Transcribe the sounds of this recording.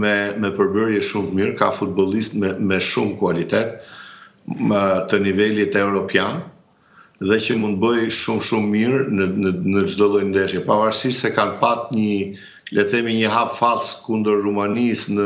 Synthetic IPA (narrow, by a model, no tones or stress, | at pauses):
mɛmɛpəɾbəɾjɛʃumt̪əmiɾkafut̪̚bɔlˠist̪mɛmɛʃumkualit̪ɛt̪̚ | t̪ənivɛlit̪ɛvɾɔpjan | ðɛcəmund̪̚bəjʃumʃumːiɾnəd͡ʒd̪ɔlˠɔjnd̪ɛʃjɛpavaɾsiʃsɛkanpat̪ɲə | lɛθɛmiɲəɦapfalskund̪əɾːumanisnə